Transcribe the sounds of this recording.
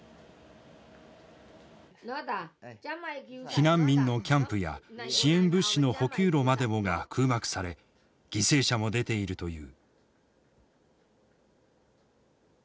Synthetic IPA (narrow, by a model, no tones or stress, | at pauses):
çinãmbʲĩnːo̞kʲãmpɯ̟ja̰ɕiẽ̞mbɯ̟ɕːino̞ho̞kʲɨːɾo̞mad̪e̞mo̞ɡakʰɯ̟ːmakɯ̟̥saɾe̞ | ɡ̥ʲise̞ːɕamo̞d̪e̞t̪e̞iɾɯ̟t̪o̞jɯ̟̰ː